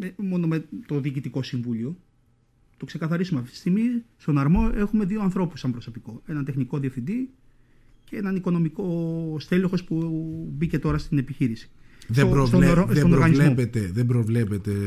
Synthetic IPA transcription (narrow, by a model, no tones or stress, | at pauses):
emo̞no̞met̪oðiːcit̪iko̞siɱvulio̞ | t̪o̞kse̞kɐθɐɾisumeɐft̪i̥st̪iɣmist̪o̞nɐɾmo̞e̞xume̞ðio̞ɐnθɾo̞pusɐmbɾo̞so̞pikoe̞nɐnt̪e̞xniko̞ðiefθind̪i | ceenɐniko̞no̞miko̞st̪eloxo̞spubice̞t̪o̞ɾɐst̪ine̞piçiɾisi̥ðeoɾst̪osonooɾɣɐnizmopet̪eðebɾovlepet̪e